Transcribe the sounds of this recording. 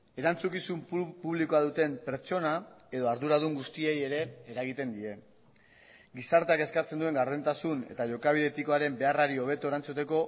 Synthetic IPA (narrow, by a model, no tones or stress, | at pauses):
e̞ɾant͡sukisumppuβliko̞aðut̪e̞mpe̞ɾt͡ʃo̞nae̞ðo̞aɾðuɾaðuŋɡust̪ie̞je̞ɾe̞ːɾaɣ̞it̪e̞nd̪ie̞ | ɡisaɾt̪eake̞skat͡se̞nd̪ue̞ŋɡaɾðent̪asune̞̰t̪aʝo̞kaβ̞iðe̞t̪iko̞aɾe̞mbe̞araɾio̞β̞e̞t̪o̞eɾant͡sut̪e̞ko̞